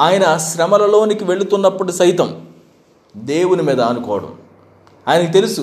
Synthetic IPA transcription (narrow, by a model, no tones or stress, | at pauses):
aːjɐnɐʃɾɐmɐlɐlo̞ːnikiʋe̞ɭut̪unːɐpːɐʈisɐjt̪ɐm | d̪e̞ːwunimiːd̪ɐːnukɔːɐɽɐ̰m | aːjɐnɐkit̪e̞lusu